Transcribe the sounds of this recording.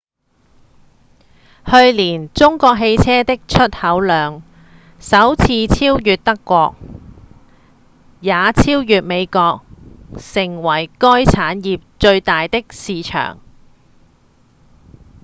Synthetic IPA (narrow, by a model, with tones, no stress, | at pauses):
hɵ˧ɥliː˨˩nt͡sʊ˥ŋkɔː˧k̚ɦe˧jt͡sʰɛː˥t̪ɪ˥k̚t͡ʃʰɵ˥t̚hɐ˨˥wlœː˨˧ŋ | sɐ˨˥wt͡sʰiː˧t͡sʰiː˥wjyː˨t̚t̪ɐ˥kːʷɔː˧k̚ | jaː˨˧t͡sʰiː˥wjyː˨t̚me˨˧jkɔː˧k̚sɪ˨˩ŋwɐ˨˩jkɔː˥jt͡sʰaː˨˥njiː˨p̚t͡ʃɵ˧ɥt̪aː˨jt̪ɪ˥k̚siː˨˧t͡ʃʰœ̰ː˨˩ŋ